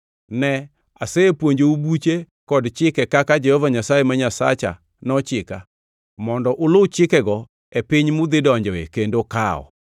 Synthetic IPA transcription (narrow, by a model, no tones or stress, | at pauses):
nɛ | aseepwoɲd͡ʒeubut͡ʃe | kɔdt͡ʃɪkɛkakad͡ʒɛhɔvaɲasaemaɲasa̰t͡ʃa̰ | nɔt͡ʃɪka̰ | mɔndɔʔʊlot͡ʃɪkɛɡɔ | epɪɲmʊd̪ɪdɔɲd͡ʒɛwekendoka̰ɔ̰